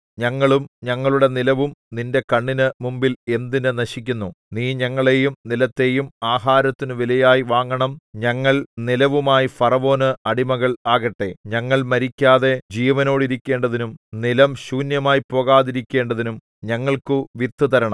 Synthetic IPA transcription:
ɲɐŋːɐɭumɲɐŋːɐɭuɽe̞nilɐʋumninde̞kɐɳːinɨmumbile̞nd̪inɨnɐɕik̬ʲːunːu | niːɲɐŋːɐɭe̞ːjumnilɐt̪ːe̞ːjumaːɦaːɾɐt̪ːinɨʋilɐjaːjiʋaːŋɡɐɳɐmɲɐŋːɐɭnilɐʋumaːjifɐrɐʋo̞ːnɨɐɽimɐɣɐɭaːɣɐʈːe̞̰ɲɐŋːɐɭmɐɾikʲːaːðe̞d͡ʑiːʋɐno̞ːɽiɾikʲːe̞ːɳɖɐðinumnilɐmɕuːnjɐmaːjipːo̞ːɣaːðiɾikʲːe̞ːɳɖɐðinum | ɲɐŋːɐɭkuʋit̪ːut̪ɐɾɐɳɐm

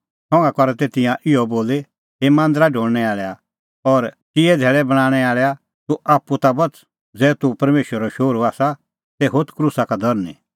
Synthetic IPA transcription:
sɔ̃ːŋɡakɔɾɛt̪eːt̪ɪ̃jãʔɪɔboːle | ɦemãːnd̪əɾaɖʱoːɽnɛaːɭɛa | ɔːɾt͡ʃɪɛd̪ʱeːɭɛbɐɽ̃ãːɽ̃ɛaːɭɛa | t̪uʔaːpːut̪abɐt͡s | d͡zɛːt̪upɐɾmeːʃwəɾɔʃoːɾuaːsa | sɛɦot̪kɾuːsakad̪ʱɔɾnḭ

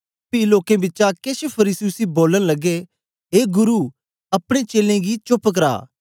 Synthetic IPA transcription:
piloːkẽbɪtːt͡ʃakeʃpʰɐɾiːsiʊsiboːləñlɐɡe | ɦeːɡʊɾu | ɐpɽ̃et͡ʃeːlẽɡit͡ʃopək̬ɾa̰ː

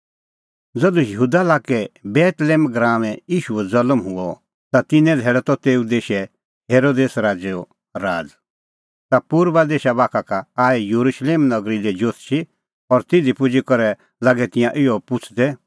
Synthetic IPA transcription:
d͡zɐd̪ujəɦuːd̪alaːkɛbɛːt̪leːmɡɾaːʋɛ̃jiːʃuɛd͡zɐləmɦʊɔ | t̪at̪ɪnɛ̃d̪ʱɛːɽɛt̪ɔt̪eːud̪eːʃɛ | ɦeːɾoːd̪eːsɾaːd͡ʒeɔ | ɾaːd͡z | t̪apuːɾbad̪eːʃabaːkʰakaaːijuɾuʃleːmnɐɡɾilɛd͡ʒot̪t͡ʃʰi | ɔɾt̪ɪd̪ʱipʊd͡ʒikɔɾɛ | laɡɛt̪ɪ̃jãʔɪjɔpʊt͡ʃʰd̪ɛ

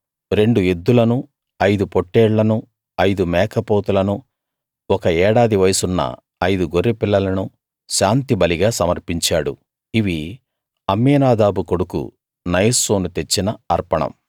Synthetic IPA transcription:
ɾe̞ɳɖue̞d̪ːulɐnu | ɐjd̪upo̞ʈːɛːɽːɐnu | ɐjd̪umɛːkʰɐpoːt̪ulɐnu | ɔkɐɛːɽaːd̪iʋɐjɐsunːɐ̰ | ɐjd̪uɡo̞rːipilːɐlɐnu | ʃaːnt̪ibɐliɡaːsɐmɐɾpiɲt͡ʃaːɽu | iʋi | ɐmːiːnaːd̪aːbuko̞ɽukṵ | nɐjɐsoːnut̪e̞t͡ʃːinɐɐɾpɐɳɐ̰m

